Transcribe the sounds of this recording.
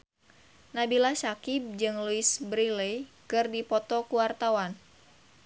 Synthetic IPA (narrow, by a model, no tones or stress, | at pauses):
nabilasakib̚d͡ʒɨŋluisbɾilekɨrdipɔt̪ɔkuwart̪awan